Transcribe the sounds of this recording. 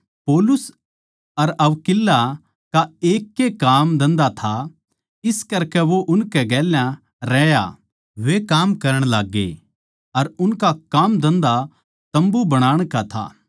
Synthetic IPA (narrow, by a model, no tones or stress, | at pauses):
poːlʊs | ɐɾɐʋkɪlːa | kaeːkːekaːmd̪ɐ̃nd̪at̪ʰa | ɪskɐɾkɛʋoʔʊnkɛɡɛːljã | ɾɛːja̰ | ʋekaːmkɐɾəɽ̃laːɡːḛ | ɐɾʊnkakaːmd̪ɐ̃nd̪a | t̪ɐ̃mbubɐɽ̃aːɽ̃kat̪ʰa̰ː